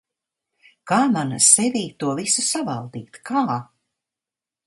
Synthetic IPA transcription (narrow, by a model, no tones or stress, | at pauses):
kaːmanasɛviːt̪uɔvisusavalˠd̪iːt̪kʰaː